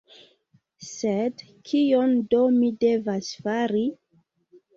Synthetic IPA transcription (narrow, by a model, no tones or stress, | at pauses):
sed | kʰiondomide̞vasfaɾi